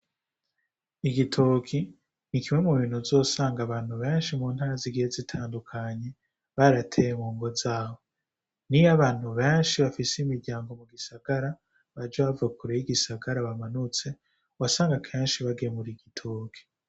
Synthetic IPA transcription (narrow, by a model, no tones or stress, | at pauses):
iɡitʰokʰi | nikimwe̞muβiːn̥huzo̞saːŋɡaβaːn̥huβe̞ːnʃimuːn̥haːɾaziɡihezitʰaːndukʰaɲe̞ | βaɾatʰe̞jeŋuːŋɡo̞zaːβo̞ | nijaβaːn̥huβe̞ːnʃiβafisimiɾɟaːŋɡo̞muɡisaɡ̥aɾa | βaɾd͡ʒaβavakuɾejiɡisaɡaɾaβamanut͡se̞ | wasaːŋɡakʰe̞ːnʃiβaɡemuɾiɡitʰoːkʰi̥